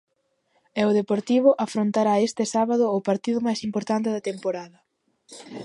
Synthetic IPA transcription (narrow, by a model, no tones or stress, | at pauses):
ɛʊðepoɾt̪iβ̞ʊʔafɾont̪aɾaest̪ɪsaβaðʊːpaɾt̪iðʊmajsimpoɾt̪ant̪ɪðɐt̪empoɾaðɐ